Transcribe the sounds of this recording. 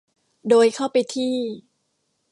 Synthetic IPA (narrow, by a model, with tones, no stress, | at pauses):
doː˧jkʰa˥˩wpa˧jt̪ʰiː˥˩